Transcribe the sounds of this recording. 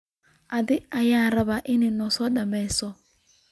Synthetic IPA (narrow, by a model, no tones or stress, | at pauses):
ad̪ɪajaɾaβaʔɪnɪnɔsɔɗambɛsɔ